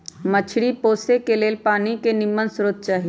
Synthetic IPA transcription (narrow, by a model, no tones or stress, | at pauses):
mət͡ʃʰɽipoːsekeleːlpaːnikenɪmːənsʊɾot̪̚t͡ʃaːɦij